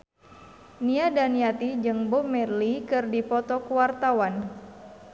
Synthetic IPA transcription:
niadaniat̪id͡ʒɨŋbɔmɛrlikɨrdipɔt̪ɔkuwart̪awan

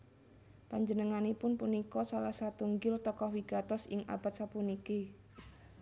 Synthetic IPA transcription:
paɲd͡ʒənəŋanipʊnpunikɔsalahsat̪uŋɡɪlt̪ɔkɔhwiɡ̥at̪ɔsɪŋʔa̰b̥at̪̚sapunike

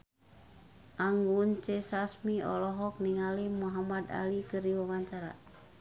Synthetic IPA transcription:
ʔaŋɡunt͡ʃesasmiɔ̰lɔɦɔk̚niŋalimuɦamad̪a̰likɨriwawaɲt͡ʃaɾa̰

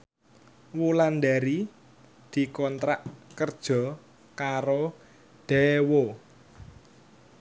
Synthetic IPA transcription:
wuland̪aɾi | d̪̥i̤kɔnt̪ɾaʔkərd̥ʒ̥ɔ̤ | kaɾo | d̪̥ɛwo

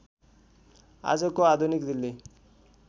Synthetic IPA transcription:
a̰d͡zʌkoad̪ʱunikd̪ilːe

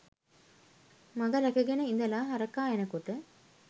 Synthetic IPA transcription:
mɐɡɐɾɐkɐɡenɐɪnd̪ɐlãːɦɐɾɐkːaːɛnɐkːoʈːɯ

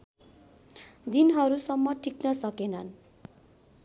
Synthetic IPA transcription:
d̪inɦʌɾusʌmːʌʈʰiknʌsʌkenʌn

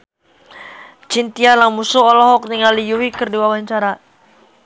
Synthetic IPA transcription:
t͡ʃint̪ialaŋmusuɔlɔɦɔk̚niŋalijuwikərdiwawaɲt͡ʃaɾa

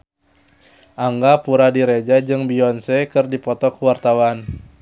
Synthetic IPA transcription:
ʔaŋɡapuɾadiɾed͡ʒad͡ʒɨŋbiɔnsɛkɨrdipɔt̪ɔkuwart̪awan

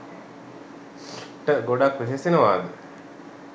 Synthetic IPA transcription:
sʈːəɡoɖakʋisesinəʋaːd̪e

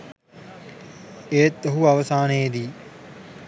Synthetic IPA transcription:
eːt̪ːɐɦuɐʋəsaːnejd̪iː

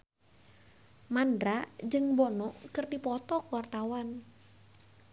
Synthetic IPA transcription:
mandɾad͡ʒɨŋbɔnɔʔkɨrdipɔt̪ɔkuwart̪awan

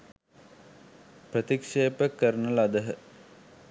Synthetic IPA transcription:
prət̪ikʂeːpəkːəɾənəlad̪əɦə

